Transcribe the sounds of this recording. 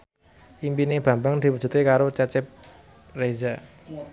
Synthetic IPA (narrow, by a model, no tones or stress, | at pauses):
ʔimpineb̥ä̤mbaŋd̪̥i̤wu̥d͡ʒ̥ṳt̪ekaɾot͡ʃat͡ʃɪp̚ | reza